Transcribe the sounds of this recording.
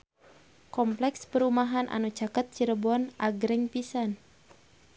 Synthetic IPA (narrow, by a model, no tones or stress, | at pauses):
kɔmplɛkspəɾumaɦanʔa̰nut͡ʃakət̪̚t͡ʃiɾəbɔnaɡɾɛŋpisan